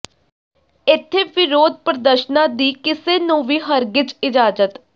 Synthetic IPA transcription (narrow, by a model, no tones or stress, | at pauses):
ɪt̪ʰːeːʋɪɾoːd̪̚pɾəd̪əɾʃnãːd̪iːkɪseːnũːʋiːɦəɾɡɪd͡ʒɪd͡ʒaːd͡ʒət̪